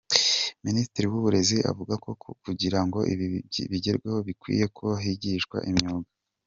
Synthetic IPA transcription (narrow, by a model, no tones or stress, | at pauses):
ministɾiwuβuɾe̞ziʔa̰vuɡako̞kuɟiɾaŋɡo̞iβiɟe̞ɾɡweho̞βikwḭːje̞kʰoɦiɟiʃkwa̰ʔimɲoːɡa